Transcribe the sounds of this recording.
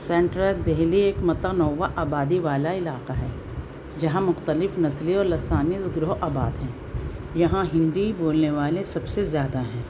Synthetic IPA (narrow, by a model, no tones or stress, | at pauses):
sɛ̃ːɳʈɾəd̪eɦlieːkmɐt̪anɔːʋaʔaːbaːd̪iʋaːlaɪlaːqaɦɛː | d͡ʒɐɦãmʊxt̪əlɪfnɐsliɔːɾlɐsaːnɪt̪ɡɾʊɦʔaːbaːd̪ɦɛ̃ː | jɐɦãɦɪ̃nd̪iboːlneʋaːlẽsɐbsezjaːd̪aɦɛ̃ː